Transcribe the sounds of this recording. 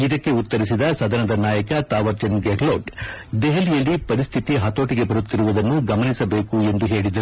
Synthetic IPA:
id̪ɐkːe̞ut̪ːɐɾisid̪ɐsɐd̪ʱɐnɐd̪ɐnaːjɐkɐt̪aːʋɐɾt͡ʃɐnɡekloːʈɖ̪eɦelijɐlːipɐɾist̪ʰit̪iɦɐt̪o̞ːʈiɡe̞bɐɾut̪ːiɾuʋud̪ɐnːuɡɐmɐnisɐbe̞ːkue̞nd̪uɦe̞ːɭid̪ɐɾ

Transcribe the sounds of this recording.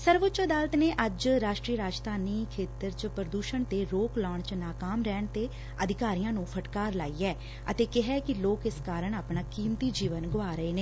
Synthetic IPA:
səɾʋʊtːt͡ʃəd̪aːlət̪neːʔəd͡ʒɾaːʃʈɾiːəɾaːd͡ʒd̪aːniːkʰeːt̪əɾt͡ʃpɾəd̪uːʃəɳt̪eːɾoːklaːɳ̃t͡ʃnaːkaːmɾɛːɳt̪eː | əd̪ʱɪkaːɾijãːnũːpʰəʈkaːɾla̰ːiːɛː | ət̪eːkɪɦɛːkɪloːkɪskaːɾəɳaːpɳaːkiːmt̪iːd͡ʒiːʋənɡʊaːɾəeːneː

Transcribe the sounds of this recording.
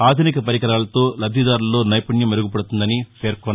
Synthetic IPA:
aːd̪ʱunikɐpɐɾiɡɐɾaːlɐt̪o̞ːlɐbʱid̪aːɾulːo̞ːnɐjpuɳjɐmeɾuɡupɐɽut̪und̪ɐnipʰeːɾkɔn

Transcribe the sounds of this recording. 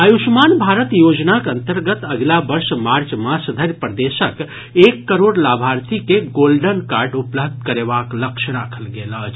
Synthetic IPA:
əjuʃmaːnbʱaːɾət̪joːd͡ʒnakənt̪əɾɡət̪əɡlabəɾʃmaɾt͡ʃmasɐd̪ʱəɾjpɾəd̪eʃək | ekːəɾoːɽlaːbʱaɾt̪ʰikeɡoːlɖənkaːɾɖupləb̚d̪̚ʱkəɾeʋaːkləkʃʰəɾaːkʰəlɡela

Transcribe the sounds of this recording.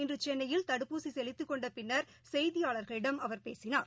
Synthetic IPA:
ɪndrɯt͡ʃɛnːɐjɪlt̪ɐɽɯpːuːsisɛlɪt̪ːɯkːɔɳɖɐpɪnːɐɾ | sɛjðɪjaːɭɐɾɣɐɭɪɽɐmɐʋɐɾpeːsɪnaːɾ

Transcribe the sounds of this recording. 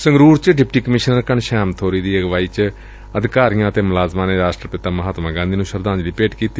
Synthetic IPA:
sə̃ŋɡɾuːɾt͡ʃɖɪp̚ʈiːkəmɪʃnəɾkəɳʃɛːmt̪ʰoːɾiːd̪iːəɡʋaːiːt͡ʃ | əd̪ɪkaːɾijãːət̪eːmʊlaːzmãːneːɾaːsʈɾəpɪt̪aːməɦaːt̪mãːɡãːnd̪iːnũːʃəɾd̪ãːnd͡ʒliːpeːʈkiːt̪iː

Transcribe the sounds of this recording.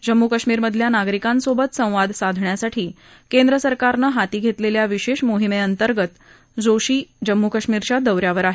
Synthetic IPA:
d͡ʑəmːukəʂmiːɾməd̪ʱljanaɡɾikãnsobət̪sə̃w̃ʋad̪ʱsad̪ʱɳjasaʈʰiː | kend̪ɾəsəɾkaɾnəɦat̪iːɡʱet̪leljaʋiɕeɕmoɦimeənt̪əɾɡət̪ | d͡zoɕiːd͡ʑəmːukəʂmiːɾt͡ɕad̪əwɾjaʋəɾaɦe

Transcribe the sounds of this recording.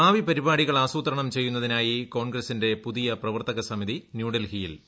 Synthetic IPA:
aːʋipɐɾibaːɽiɣɐɭaːsuːt̪ɐɾɐɳɐmt͡ɕejːunːɐðinaːjiko̞ːɳɡɾɐsinde̞puðijɐprɐʋɐrt̪ɐɣɐsɐmiðinjuːɽɐlhijil

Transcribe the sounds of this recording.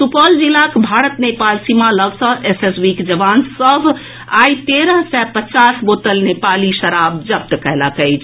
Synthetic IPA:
supɔld͡ʒilakbʱaɾət̪nepalsimaləɡsə̃ɦesesbikd͡ʒəʋansəbʱ | ajt̪eɾəɦsɛpət͡ʃasbot̪əlnepaliʃəɾabd͡ʒəp̚t̪kəɦləkəjt͡ʃʰ

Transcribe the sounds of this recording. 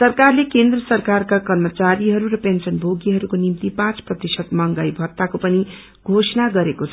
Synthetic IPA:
sʌrkarlekend̪rʌsʌrkarkakʌrmʌt͡saɾiɦʌɾuɾʌpensʌnbʱoɡiɦʌɾukonimt̪ipãt͡sprʌt̪isʌt̪mʌŋɡajbʱʌt̪ːakopʌni | ɡʱosnaɡʌɾekot͡sʰ

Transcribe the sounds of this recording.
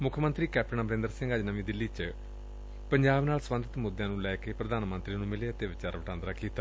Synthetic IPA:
mʊkʰːəmə̃nt̪ɾiːkɛːp̚ʰʈəɳaːbəɾẽːnd̪əɾsɪ̃ŋɡəd͡ʒnəʋĩːd̪ɪlːiːt͡ʃ | pəɲd͡ʒaːbnaːlsʋə̃nd̪ət̪mʊd̪jãːnũːlɛːkepɾəd̪ʱaːnmə̃nt̪ɾiːnũːmɪleət̪eʋɪt͡ʃaːɾʋəʈãːnd̪ɾaːkiːt̪aː

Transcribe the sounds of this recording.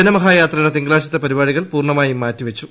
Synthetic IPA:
ɐnɐmɐɦaːjaːt̪rɐnɐt̪iŋɡɭaːɕit̪ːɐpɐɾibaːɻiɣɐɭpuːrɳɐmaːjimaːtːiʋɐt͡ɕːu

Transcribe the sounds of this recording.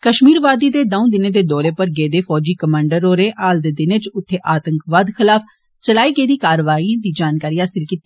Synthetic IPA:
kəʃmiːɾʋaːd̪iːd̪eːd̪əũːd̪ɪneːd̪eːd̪ɔːɾeːpəɾɡeːd̪eːfʰɔːd͡ʒiːkəmãːɳɖəɾoːɾẽːʔaːld̪eːd̪ɪneːt͡ʃʊt̪ʰːeːʔaːt̪əŋkʋaːd̪xʰɪlaːf | t͡ʃəlaːiːɡeːd̪iːkaːɾʋaːĩd̪iːd͡ʒaːnkaːɾiːɦaːsɪlkiːt̪ːi

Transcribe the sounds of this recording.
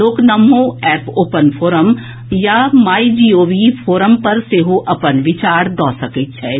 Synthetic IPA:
oːknɐmːõɛːpoːpənpʰoːɾəm | jamaːid͡ʒiːoːʋifʰoːɾəmpɐɾseɦoʔɐpənʋɪt͡ʃaːɾd̪ɔːsɐkɪt͡ʃʰɛː

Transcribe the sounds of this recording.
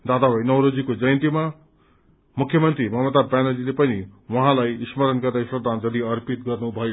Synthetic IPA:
d̪ad̪abʱʌjnʌwɾod͡zikod͡zʌjnt̪ima | mukʰjʌmʌnt̪ɾrimʌmʌt̪abanʌlilepʌniwʌɦãlajismʌɾʌnkʌrd̪asprʌd̪ʱand͡zʌd̪iʌrpit̪ɡʌrnubʱʌe

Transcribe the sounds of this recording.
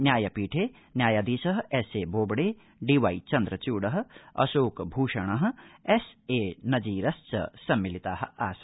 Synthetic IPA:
nʲjaːjɐpiːʈʰeː | njaːjad̪iːsɐɦɛseːboːbɽeː | ɖiːʋaːit͡ʃɐnd̪ɾɐt͡ʃuːɽɐɦɐ̆ɐ̰soːkbʱuːʃɐɳ̃ɐɦ̆ɛseːnɐd͡ʒiːɾɐst͡ʃɐ̰sɐmːilit̪aːɦɐaːsɐ

